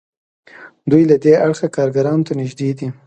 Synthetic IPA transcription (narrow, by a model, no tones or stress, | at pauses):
d̪ujlad̪eaɽxakɑɾɡaɾɑnot̪anɪʒd̪ed̪i